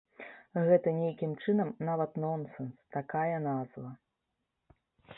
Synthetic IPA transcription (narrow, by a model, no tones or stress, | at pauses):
ɣɛt̪ɐnʲejkʲimt͡ʂɨnɐmnavɐt̪nɔnsɛnst̪akajɐnazvɐ